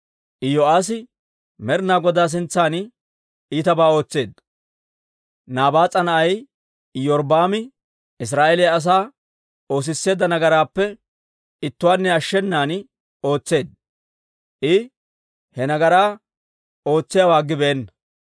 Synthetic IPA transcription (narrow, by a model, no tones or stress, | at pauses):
ʔɪjɔaːs̬ɪ | mɛɾnaːɡɔd̪aːs̬ɪnt͡sːaːn | iːt̪ɐbaːo̞ːt͡sːe̞ːd̪ | naːbaːt͡sʼːɐnɐʔɐj | jɔɾbaːmɪ | ɪs̬ɾaːʔelɪjɐːs̬aː | o̞ːs̬ɪsːe̞ːd̪ːɐnɐɡɐɾaːpːɛ | ɪt̪ːʊwaːnːɛɐʃːɛnːaːnɪ | o̞ːt͡sːe̞ːd̪̚ | ʔɪ | hɛnɐɡɐɾaː | o̞ːt͡sːɪjawaːɡːɪbɛɛnːɐ